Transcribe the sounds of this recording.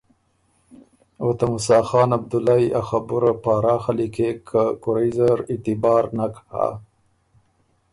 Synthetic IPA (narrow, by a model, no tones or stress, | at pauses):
ot̪amʊsɑxɑːnab̚d̪ʊlajaxabuɾapaɾɑxalikekʰakʊɾaizaɾɪt̪ɪbɑːɾnakha̰